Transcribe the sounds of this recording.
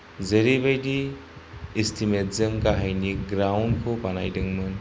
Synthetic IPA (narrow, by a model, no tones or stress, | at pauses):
zəɾibejdiː | stʰimetzəmkaɦajniɡɾawnkʰobʱanajdɯŋmɯn